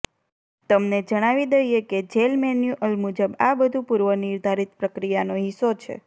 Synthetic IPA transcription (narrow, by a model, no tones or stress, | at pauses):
t̪əmned͡ʒəɽ̃aʋid̪əjeked͡ʒelmɛnjuʔəlmud͡ʒəbabəd̪ʱũpuɾʋənɪɾd̪ʱaɾit̪̚pɾəkɾijanoɦisot͡ʃʰḛ